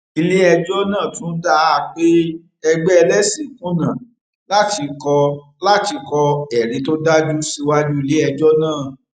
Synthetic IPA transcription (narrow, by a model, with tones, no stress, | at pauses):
i˧le˦ɛ˧d͡ʒɔ˦nãː˦˨tũ˦da˦a˨k͡pe˦ | ɛ˧ɡ͡bɛ˦ɛ˧lɛ˦si˨˦kũ˦nã˨ | la˦ti˧kɔ˧ | la˦ti˧kɔ˧ɛ˨ɾĩ˨˦to˦da˦d͡ʒu˦si˧wa˦d͡ʒu˦i˧le˦ɛ˧d͡ʒɔ˦nãː˦˨